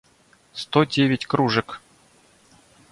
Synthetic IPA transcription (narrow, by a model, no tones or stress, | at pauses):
st̪odʲevʲɪtʲkɾuʐɨk